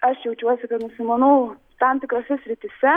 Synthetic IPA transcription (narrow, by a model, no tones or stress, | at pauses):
ɐʃjɛʊt͡ʃʲuɔsʲɪkɐt̪nʊsʲɪmɐnɐː | t̪ɐmt̪ʲɪkɾɐsʲɛsʲɾʲɪt̪ʲɪsʲɛ